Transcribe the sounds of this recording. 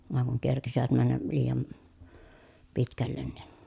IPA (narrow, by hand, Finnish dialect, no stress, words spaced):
ʋɑˑeŋ kuŋ kerkisiʋæt mænːæ liːjɑn pitkælːen nin̥